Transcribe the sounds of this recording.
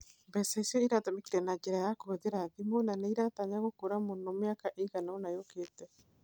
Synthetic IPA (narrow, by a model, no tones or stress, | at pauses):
bɛsaisjɔiɾatɔmikiɾɛnad͡ʒeɾajakoɛðeɾaðimonaneiɾataɲaɣokoɾamonɔmeakaʔeiɣanaonajokeːtɛ